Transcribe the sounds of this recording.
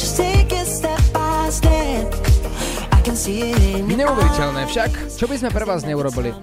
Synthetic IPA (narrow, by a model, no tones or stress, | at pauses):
d͡ʒ̥ʌsteɡɪtstɛp̚aɪzdɛd | aɪkɨ̃nsiɪɪnɲɛuʋɛɾicɛlnɛːfʃak | t͡ʃɔbizmɛpɾɛʋaːzɲɛuɾɔbili